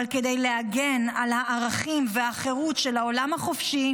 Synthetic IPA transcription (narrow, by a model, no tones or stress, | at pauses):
lke̞d̪e̞jle̞aɡenalhaʔːʁaχimveaχe̞ʁutʃelaolamhaχofʃi